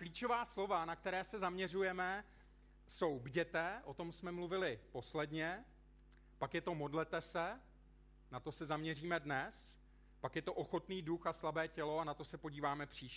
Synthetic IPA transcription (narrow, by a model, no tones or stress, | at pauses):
kliːt͡ʃo̞vaːslo̞vanak̚t̪ɛɾɛːsɛzamɲɛr̝ujɛmɛ | so̞wbɟɛt̪ɛʔo̞t̪o̞msmɛmluvɪlɪpo̞slɛdɲɛ | pakjɛt̪o̞mo̞dlɛt̪ɛsɛ | nat̪o̞sɛzamɲɛriːmɛdnɛs | pakjɛt̪o̞ʔoxo̞t̪niːduxaslabɛːcɛlo̞anat̪o̞sɛpoɟiːvaːmɛpr̝̥iːʃ